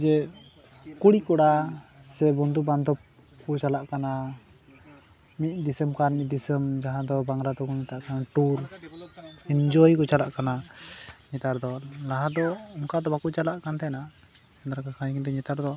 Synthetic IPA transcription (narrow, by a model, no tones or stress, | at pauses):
d͡ʒɛ | kuɽikɔɽasɛbɔnd̪uband̪ɔp̚ | kɔt͡ʃalaʔkana | mit̪̚ˀd̪isəmkanmid̪isəmd͡ʒaɦãd̪ɔbaŋɾad̪ɔkɔɲɛt̪aʔkanaʈuɾ | ind͡ʒɔjkɔt͡ʃalaʔkana | ɲɛt̪aɾd̪ɔlaɦãd̪ɔɔŋkad̪ɔbakut͡ʃalaʔkant̪ʰɛna | sɛnd̪ɾakakʰaɲkint̪ɛɲɛt̪aɾd̪ɔ